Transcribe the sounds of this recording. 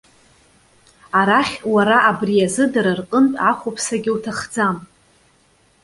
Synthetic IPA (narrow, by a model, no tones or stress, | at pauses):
aɾaχʲwaɾaʔabrijazɨdaɾarqʼəntʼaχʷopʰsaɡʲɪwtʰaχd͡zam